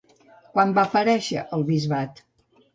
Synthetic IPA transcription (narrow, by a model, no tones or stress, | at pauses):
kwambapəɾɛʃə̰ʔəlˠβizβat̪